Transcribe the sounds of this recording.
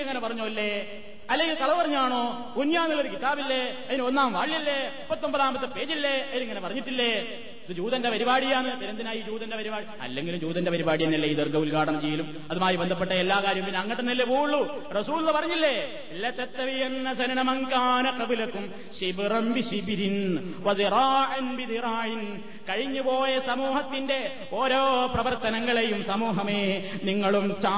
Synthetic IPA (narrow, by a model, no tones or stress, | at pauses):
ɐŋːɐnepɐrɐɲːoːilːe̞ | ɐlːe̞ŋɡilt̪ɐɭɐɨpɐrɐɲːaːɳoː | kunjaːnilːoɾukit̪aːbilːe̞ɐðinɨo̞nːaːmʋaːɭijɐlːe̞mupːɐt̪ːo̞mbɐðaːmbɐt̪ːɨpe̞ːd͡ʑilːe̞ɐniŋːɐnepɐrɐɲːiʈːilːe̞ | ɐðɨd͡ʑuːðɐnde̞pɐɾibaːɽijaːɳɨt̪ɐɾɐnd̪inaːjiːd͡ʑuːðɐnde̞pɐɾibaːɽiɐ̰lːeŋɡilumd͡ʑuːðɐnde̞pɐɾibaːɽijɐnːɐlːeiðorɡɐulkaːʈɐɳɐmt͡ɕejːɐlum | ɐðumaːjibnd̪ʱɐpːeʈːɐelːaːkaːɾjɐmpinːeɐŋːɐʈːenilːepuːɭːu | rɐsuːlunːɐpɐrɐɲːilːe | lːɐt̪ːɐt̪ːɐʋijenːɐsɐnɐɳɐmɐŋkaːnɐkɐbulɐkːum | ɕibrɐmbiɕibɾin | ʋɐd̪iɾaːʕɐnbid̪iɾaːjin | kɐɻiɲːupo̞ːjɐsɐmuːhɐt̪ːinde̞ | oːɾoːprɐʋɐrt̪ɐnɐŋːɐɭejumsɐmuːɦɐmeːniŋːɐɭumt͡ɕaː